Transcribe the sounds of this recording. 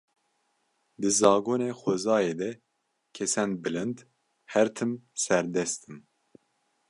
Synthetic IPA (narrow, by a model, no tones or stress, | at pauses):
d̪ɨzɑːɡoːneːxʷozɑːjeːd̪ɛ | kʰɛsɛnbɨlɨnd̪ | hɛɾt̪ʰɨmsɛɾd̪ɛst̪ɨm